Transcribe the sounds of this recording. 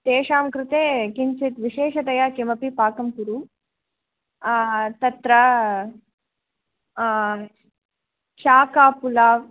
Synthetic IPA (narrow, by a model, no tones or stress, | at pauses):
t̪eːʂaːmkɾɪt̪eːkint͡ʃit̪ʋiʃeːʂɐd̪ɐjaːkimɐpipaːkɐmkuɾu | t̪ɐt̪ɾɐ | t͡ʃaːkaːpulaː